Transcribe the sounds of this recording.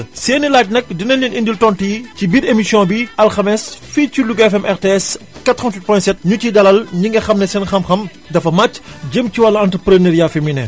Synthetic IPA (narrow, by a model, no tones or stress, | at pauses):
seːnilaːt̚nɛk̚dinɐlɲinʔindiltɔnticibiːdemisjɔ̃biɐlxɐmɛsficuluɡɛfɛmʔɛɾteɛs | kɐtɾɔ̃ntwit̚pɔjɛ̃sɛt̚ɲutidɐlɐlɲiŋɡɐxɐmnɛsɛnxɐmxɐm | dɐfɐmacːɟəmciwɐlːɐɐntɾəpɾənəːɾjafeminɛ̰